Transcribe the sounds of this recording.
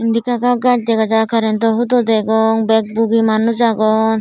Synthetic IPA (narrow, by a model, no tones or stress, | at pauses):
ind̪ikaɡaɡat͡ʃ̚d̪ɛɡad͡ʒakaɾɛnd̪ɔɦud̪ɔd̪ɛɡɔŋbɛk̚buɡimanud͡ʒaɡɔn